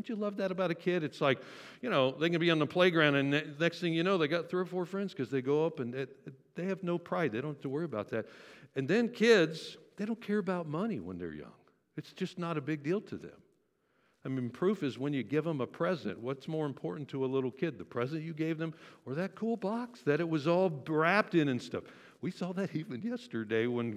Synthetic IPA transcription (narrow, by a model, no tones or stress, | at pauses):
õʊ̃t͡ʃɨlʌvðɨɾəbaʊɾɨkʰɪɾɨtslaɪk | jɨnoʊðeɪɡʌnɨbiə̃nðəpʰl̥eɪɡɹãʊ̃ndɨ̃nnɛksθɪ̃ŋjɨnoʊðeɪɡɑt̪̚θɹuʌfɔɹfɹɛ̃ndz̥kʌzðeɪɡoʊʌpɨ̃nɨ | ðeɪɨvnoʊpʰɹ̥aɪd̪̚ðeɪɾõʊ̃ntəwɜ˞iɨbaʊt̪̚ðæt̚ɨ̃nðɨ̃nkʰɪdz̥ðeɪɾõʊ̃nkʰɛɹɨbaʊt̚mʌniwə̰̃nðə̰˞jʌ̰̃ŋ | ɨtsd̥ʒ̥ʌsnəɾɨbɪɡ̚dilˠtʰɨðɨ̰̃m | aɪmĩnpʰɹ̥ʉfɨzwə̃njɨɡɪvə̃məpʰɹ̥ɛzɨ̰̃nʔwʌtsmɔɹɨ̃mpʰɔɹʔn̩tʰəəlɪɾl̩ˠkʰɪd̪̚ðɨpʰɹ̥ɛzɨ̃nt͡ʃɨɡeɪvðə̃mə˞ðɨt̚kʰulˠbɑksðɨɾɨt̚wʌzɔlˠbɹæp̚tɨ̃nɨ̃nstʌf | wisɔðɨɾivɨ̃njɛstə˞deɪwə̃n